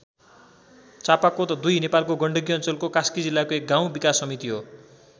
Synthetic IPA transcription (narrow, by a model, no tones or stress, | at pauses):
t͡sapakot̪ʌd̪ujnepalkoɡʌɳɖʌɡiʌnt͡sʌlkokaskid͡zilːakoek̚ɡaw̃bikasːʌmit̪iɦo